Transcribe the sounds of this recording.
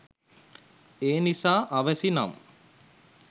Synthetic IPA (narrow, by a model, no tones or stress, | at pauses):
eːnisaːʔaʋəsina̰m